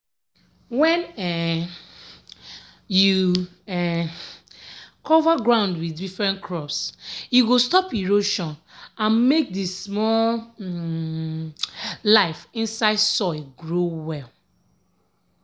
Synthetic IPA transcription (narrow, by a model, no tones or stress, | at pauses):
wɛ̃nɛ | ju | ɛ | kʰɔvaɡɹãʊ̃ndwidifɹɛ̃nkʰɹɔpsjuwilstɔpiɹoʃɔ̃nãnmek̚dismɔl | laɪfĩnsaɪdsɔɪɡɹowɛl